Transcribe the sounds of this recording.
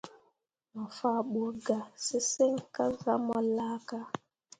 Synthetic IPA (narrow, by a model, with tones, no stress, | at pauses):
mɔ˨fa˨ɓu˨ɡa˨si˦si˦ŋ˦ka˦za˦mɔ˨la˦ka˦